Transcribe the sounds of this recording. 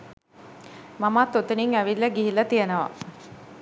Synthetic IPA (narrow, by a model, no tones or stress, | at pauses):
mamat̪ːot̪uniŋæʋilːəɡiɦilɐt̪ijənəʋa̰